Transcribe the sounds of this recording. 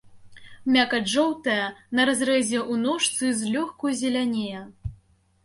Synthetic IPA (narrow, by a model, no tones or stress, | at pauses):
mʲakɐʐɔwt̪ɐjɐnɐɾazɾɛzʲɛʔunɔʂt̪sɨzʲlʲɔxkujzʲɛlʲanʲejɐ